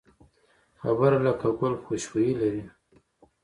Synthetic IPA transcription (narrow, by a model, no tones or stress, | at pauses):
xabəɾalakaɡʊlxoʃwojilaɾi